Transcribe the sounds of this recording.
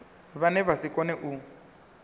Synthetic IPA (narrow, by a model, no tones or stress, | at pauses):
βanɛβasikʼɔnɛʔu